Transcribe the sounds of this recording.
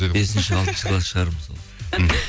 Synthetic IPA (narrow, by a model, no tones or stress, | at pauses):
be̞sɪnʃɪɑlˠt̪ənʃɪklˠɑsʃəʁɑɾəmzol̩ˠ